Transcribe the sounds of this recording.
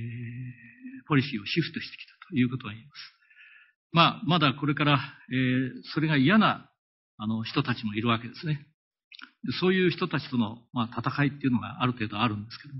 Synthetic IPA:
po̞ɾʲiɕiːo̞ɕiɸt̪o̞ɕi̥t̪ekʲi̥t̪ḁt̪o̥jɯ̟ːko̞t̪o̞aimasɨ̥ | maːmad̪ako̞ɾe̞kaɾaeːso̞ɾe̞ɡaijana | ano̞çi̥t̪o̞t̪at͡ɕimo̞iɾɯ̟βake̞d̪e̞sɨne̞ | d̪eso̞ːjɯ̟ːçi̥t̪o̞t̪at͡ɕi̥t̪o̞no̞mat̪at̪akait̪ːe̞iɯ̟no̞ɡa̰ʔaɾɯ̟t̪e̞ːd̪o̞aɾɯ̟̃nd̪e̞sɨ̥ke̞d̪omo

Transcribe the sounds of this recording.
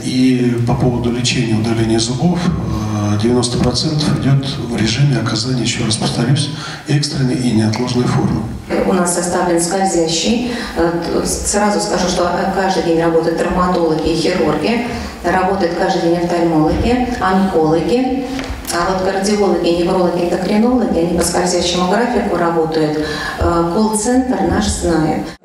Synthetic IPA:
ipɐpo̞vəd̪ʊlʲɪt͡ɕenʲɪjəʊd̪ɐlʲenʲɪəɪzʊɡof | dʲɪvʲɪno̞st̪əpɾɐt̪sɛnt̪əfɪdʲo̞t̪ | vɾʲɪʐɨmʲɪɐkɐzanʲɪjɪɕːorəspə̥st̪ɾɐɾʲusʲ | ɛkst̪ɾʲɪnʲəjinʲɪɐt̪lˠoʐnəjfo̞̰rmɨ | ʊ̰nasːɐst̪avlʲɪnskɐlzʲæɕːɪj | srazʊskɐʐuʂt̪okaʐd̪ɨdʲenʲrɐbo̞t̪əjʊt̪ːrəmat̪o̞lˠəɡʲɪxʲɪɾurɡʲɪ | rɐbo̞t̪əjʊt̪kaʐd̪ɨjdʲenʲft̪ɐlʲmo̞lˠəɡʲɪɐnko̞lˠəɡʲɪ | avot̪kərdʲɪo̞lˠəɡʲɪnʲɪvro̞lˠəɡʲɪɪnd̪əkɾʲɪno̞lˠəɡʲɪɐnʲɪpəskɐvʲzʲæɕːɪmʊɡrafʲɪkʊɾɐbo̞t̪əjʊt̪ | kolˠt̪sɛnt̪rnaʂznajɪ̰t̪

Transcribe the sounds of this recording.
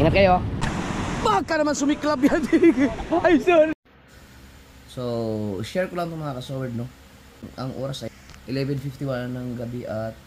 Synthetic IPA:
inɐt̪̚kɐjo | baːɡ̚kɐnɐmansʊmɪklab̚kɐt̪ipajsol | soʃɛɹkolɐŋt̪ʊmɐŋakɐsoːwɛɹd̪̚no | ʔɐŋʔoːɾɐsɐjʔɪlɛvɛnfift̪iwannːɐŋɡɐbiʔɐt̪̚

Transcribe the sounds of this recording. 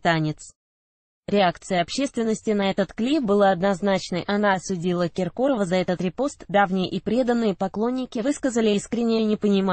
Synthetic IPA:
t̪anʲɪt̪s | ɾʲɪakt̪sɨjəɐpɕːe̞st̪vʲɪnːəsʲtʲɪnɐɛt̪ət̪klʲibɨlˠaɐd̪nɐznat͡ɕnəjʔɐnaɐsʊdʲilˠəkʲɪrkoɾəvəzɐɛt̪ət̪ɾʲɪpo̞st̪d̪avnʲɪjəʔɪpɾʲe̞d̪ənːɨjəpɐklˠo̞nʲːɪkʲɪvɨskəzəlʲɪiskɾʲɪnʲɪjənʲɪpənʲɪma

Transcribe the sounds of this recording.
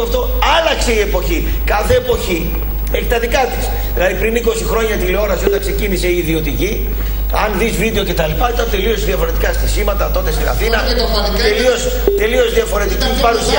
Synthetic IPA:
ft̪o̞ | ɐlɐkse̞ie̞po̞çi | kɐθe̞ːpo̞çi | eçi̥t̪ɐðikɐt̪is | ðilɐðipɾiniko̞sixɾo̞ɲɐt̪ileo̞nɐsio̞t̪ɐnkse̞cinise̞iːðio̞t̪̬ici | ɐnðizvid̪e̞o̞ce̞t̪ɐlipɐit̪ɐnt̪e̞lio̞sðiɐfo̞ɾe̞t̪ikɐst̪isimɐt̪ɐt̪o̞t̪e̞st̪inɐ̰θinɐ | t̪elio̞s | t̪e̞lio̞zðiɐfo̞ɾe̞t̪icipɐɾusi

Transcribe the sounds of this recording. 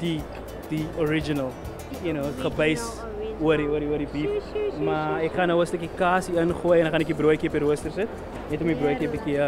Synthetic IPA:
d̥i | d̥iɔɾid͡ʒinəl | junoχəbəjs | uəɾiuəɾiuəɾdibifmaɛkχɐnɦəwəstəkikaːsiənχuəjɛnχanɛkibɾuəjkiəpəɾuəstərsət | nɛtɔmibɾuəjkiəbikiə

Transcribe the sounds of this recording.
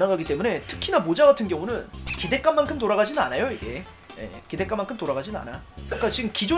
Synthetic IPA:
naɡaɡit͈e̞mune̞tʰɯ̥kʰinamod͡ʑaɡatʰɯnɡjʌŋunɯnkide̞k͈anːankʰɯmt̬oɾaɡad͡ʑinɯnanajoiɡe̞̰ | je̞̰kide̞k͈amːankʰɯmtoɾaɡad͡ʑinɯna̰nak͈at͡ɕiɡɯmkid͡ʑo

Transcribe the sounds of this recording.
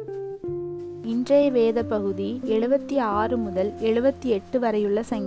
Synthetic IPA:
ɪndrɐjʋeːðɐpːɐɣɯðiɛɻɯbɐt̪ːiaːrɯmʊðɐlɛɻɯbɐt̪ːiɛʈːɯʋɐɾɐjɯɭːɐsɐŋɡɐ

